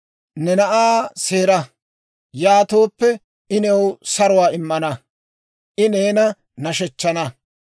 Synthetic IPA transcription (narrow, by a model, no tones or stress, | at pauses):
nɛnɐʔaːseːɾɐ | jaːt̪o̞ːpːɛ | ʔɪnɛwsɐɾʊwaːɪmːɐnɐ | ʔɪneːnɐ | nɐʃɛt͡ʃːɐnɐ